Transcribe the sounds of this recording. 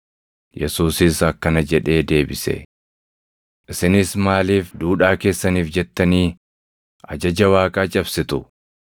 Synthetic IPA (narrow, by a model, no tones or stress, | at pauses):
jɛ̰suːsɪsɐkːɐnɐd͡ʒɛᶑe̞ːd̪e̞ːbɪsɛ̰ | ʔɪsɪnɪsmaːliːfd̪uːᶑaːke̞ːsːɐniːfd͡ʒɛt̪ːɐniː | ʔɐ̰d͡ʒɐd͡ʒɐwaːkʼaːt͡ʃʼɐbsɪt̪ʊ